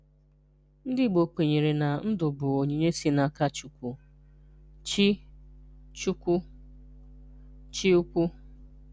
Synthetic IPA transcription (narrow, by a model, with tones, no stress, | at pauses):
n̩˦dɪ˦˨ɡ͡bo˨k͡pe˨ɲe˨ɾe˨na˨n̩˦dʊ˨bʊ˨o˨ɲe˨ɲe˦si˦na˦ka˦t͡ʃu˨kʷu˦ | t͡ʃi˦ | t͡ʃu˦kʷu˦ | t͡ʃi˦u˦kʷu˦